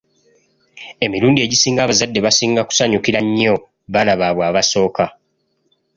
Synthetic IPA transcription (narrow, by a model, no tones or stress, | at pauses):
e̞miɾuːndie̞ɟisiːŋɡaːβazadːe̞βasiːŋɡaku̥saɲukiɾaɲːo | βanaβaːβwaːβaso̞ːka